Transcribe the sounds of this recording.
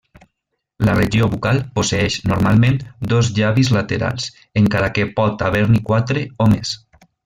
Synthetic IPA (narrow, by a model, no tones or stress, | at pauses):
lareʒioβukalˠposeɛʃnoɾmalˠmẽnd̪ɔzʎaβizlat̪eɾa̰lˠs | eŋkaɾakepɔt̪aβ̞eɾnikwat̪ɾeomes